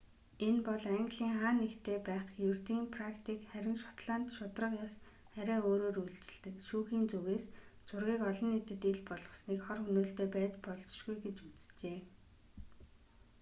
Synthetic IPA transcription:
enpɔɮaŋɡɮiːŋχaːnːekt̪ʰeːpæːχjurt̪iːmpʰrakt̪ʰiːkχæɾʲɪ̆nʃʊ̥t̪ɮaːn̥t̪ʃʊt̪rə̆qjɔs | χæɾʲæːoːɾoːɾuɮt͡ɕɪ̆ɮt̪ɘ̆kʃuːxiːnt͡suɣeːst͡sʰʊrɣiːkɔɮɞ̆nːet̪ɘ̆t̪eɮpɔɮʁə̆sniːkχɔrxɵnuːɬt̪eːpæːt͡ɕpɔɮt͡s̆ʃɡujɡet͡ɕut͡sɘ̥t͡ɕeː

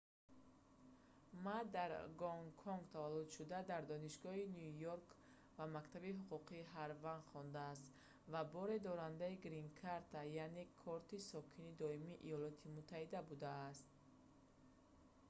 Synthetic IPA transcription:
mad̪aɾɡɔŋkʰɔŋɡt̪ʰavalːud̪ʃud̪ad̪aɾd̪ɔniʃɡɔɦinjujoɾk | vamakt̪ʰabiɦuquqʰiɦaɾvand̪χɔnd̪ast̪ | vabɔɾed̪ɔɾand̪aiɡɾiŋkʰaɾt̪ʰajane̞kʰɔɾt̪isɔkʰinid̪ɔimiʔḭjɔlɔt̪ʰimut̪ʰːahid̪abud̪aːst̪̚

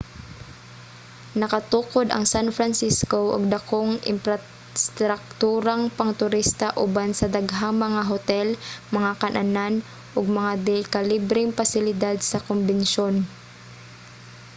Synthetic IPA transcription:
nɐkɐt̪uːkod̪ɐ̰ŋsanfɾansiskoʔo̰ɡ̚d̪ɐkoŋʔɪ̰mpɾɐ | st̪ɾak̚t̪uːɾaŋpɐŋt̪ʊɾist̪aʔʊbansɐd̪aɡɦaŋmɐŋaɦot̪ɛlmɐŋakɐnʔɐ̰nan | ʔoɡ̚mɐŋad̪ɛkalibɾɪŋpasɪlɪd̪ad̪sɐkombɛnʃon

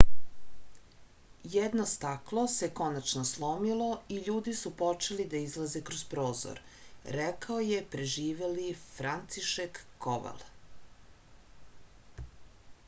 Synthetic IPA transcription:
jed̪nost̪aklˠo̞se̞ko̞nat͡ʃnoslˠo̞milˠo̞iʎuːd̪isupo̞t͡ʃelid̪aizlˠaze̞kɾozpɾo̞ːzo̰ɾɾɛkaoje̞pɾeʒiːʋelifɾant̪siʃekːoʋa̰lˠ

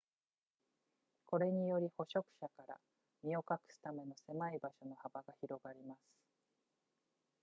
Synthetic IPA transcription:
ko̞ɾe̞ɲ̟ijo̞ɾʲiho̞ɕo̞kɯ̟̥ɕakaɾa̰ | mʲio̞kakɯ̥st̪ame̞no̞se̞maibaɕo̞no̞habaɡaçiɾo̞ɡaɾʲimasɨ̥

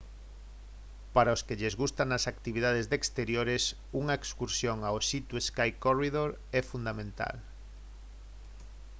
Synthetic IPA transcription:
paɾaʊskeʎezɣust̪anasakt̪iβiðað̞ezðekst̪eɾjoɾes | uŋɐekskuɾsjoŋaosit̪ueskajkoriðoɾ | ɛfund̪amẽnt̪a̰l

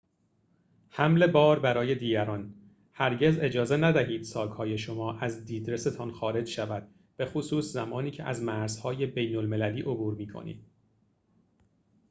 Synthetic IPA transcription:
hæmle̞bɒːɾbæɾɒːje̞d̪iːɟæɾɒːn | hæɾɟe̞ze̞d͡ʒɒːze̞næd̪æhiːd̪̥sɒːɡhɒːje̞ʃo̞mɒːʔæzd̪iːd̪ɾe̞se̞t̪ʰɒnxɒːɾe̞d͡ʒʃævæd̪̥̚ | b̥e̞xosuːszæmɒːniːcʰeʔæ̰zmæɾz̥hɒːje̞be̞jnolme̞læliːʔobuːɾmiːkʰo̰nḭːd̪̥̚

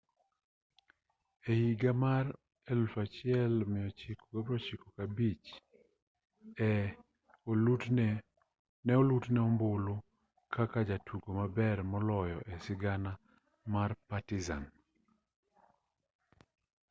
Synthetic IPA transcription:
eiɡamar | ɛlfat͡ʃɪɛlmɪjɔt͡ʃikoɡabɾɔt͡ʃikokabit͡ʃ | ɛ | nɛɔlutnɛɔmbolo | kʰakad͡ʒatʰuɡomabɛrmɔlɔjɔʔɛsɪɡana | marpatiza̰n

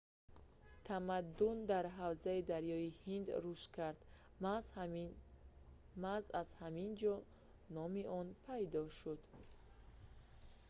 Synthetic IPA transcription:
t̪ʰamad̪ːund̪aɾɦavzaid̪aɾjɔihind̪ɾuʃt̪kʰaɾd̪̥ | mazaz̥hamind͡ʒɔ | nɔmiʔɔnpʰajd̪ɔʃud̪

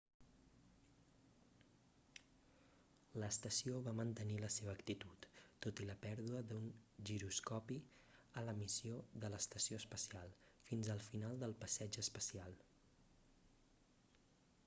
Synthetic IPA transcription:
ləːst̪əsioβamənt̪əniləseβəːkt̪it̪ut̪ːot̪iləpɛɾðuəðunʒiɾuskɔpi | ələmisioðələst̪əsioəspəsialˠ | finzəlˠfinalˠd̪əlˠpəsɛd͡ʒəspəsialˠ

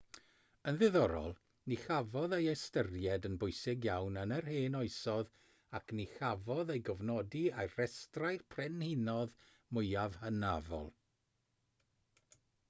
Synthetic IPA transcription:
ənðɪðɔɾɔ̰lˠ | nixavɔðejastərjɛdənbʊɨsɪɡjawnənərheːnɔɨjsɔð | akʰnixavɔðejɡɔvnɔdiarɛstrajrpʰrɛnhɪnɔð | mʊjavhənavɔ̰lˠ

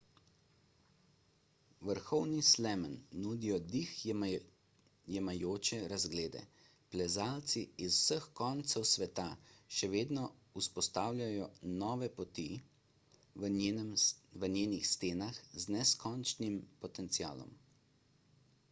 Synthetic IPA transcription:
ʋəɾxɔwnislɛmənːud̪ijɔd̪ix | jɛmajoːt͡ʃɛɾazɡleːd̪ɛ̰ | plɛzaːlt̪siːzw̥səxkɔnt̪sɛwsʋɛt̪aʃɛʋeːd̪nɔuspɔst̪aːwlʲjʲajɔnɔːʋɛpɔt̪i | ʋənjeːnixst̪eːnaxznɛskɔnt͡ʃnimpɔt̪ɛnt̪sia̰ːlɔ̰m

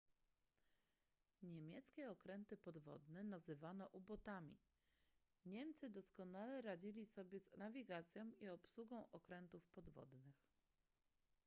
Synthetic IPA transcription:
ɲemʲjɛt̪skʲɛɔkɾɛnt̪ɘpɔd̪vɔ̰d̪nɛnazɘvanɔʔubɔt̪amʲḭ | ɲɛmt̪sɘd̪ɔskɔnalɛɾad͡ʑilʲisɔbʲjɛznavʲiɡat̪sʲjɔ̃w̃iɔpsuɡɔ̃w̃ʔɔkɾɛnt̪ufpɔd̪vɔ̰d̪nɘx

